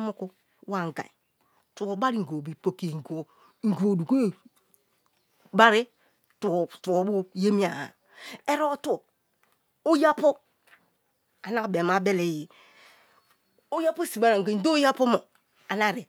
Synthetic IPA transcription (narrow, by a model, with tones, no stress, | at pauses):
mo˦ku˦ | wa˨ŋ˨ɡa̰˨i˨ | tu˨o˨ba˦ɾi˦˨ŋ̩˨ɡo˨bi˨po˨ki˦e˨ŋ˨ɡo˨˦ | ŋ̩˨ɡo˨du˨ko˦˨ | ba˦ɾe˦ | tu˨tu˨o˨˦bu˦je˦mi˦a˨a˨ | e˦ɾo˦t | o˦ja˦po˦ | a˨na˦˨be˨ma˨be˦le˨ji˨ | o˦ja˦pu˦˨si˨ba˨ɾa˨ŋ˨ɡe˨n̩˦do˦ja˦po˦mo˨ | a˨na˦˨ɾe˨